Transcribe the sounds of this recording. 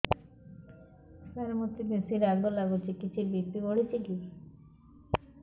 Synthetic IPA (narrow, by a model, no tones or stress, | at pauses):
t̪aɾmot̪ːibesiɾaɡbolaɡut͡ʃʰikit͡ʃʰiɾbip̪ːioɽit͡ɕʰiki